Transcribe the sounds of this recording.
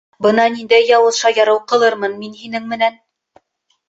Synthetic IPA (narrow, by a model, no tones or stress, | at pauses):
bɤnɑnind̪æjːɑwɤ̆ðʃɑjɑɾɤwqɤ̆lˠɤɾmɤnminhinɘŋmɘ̆næn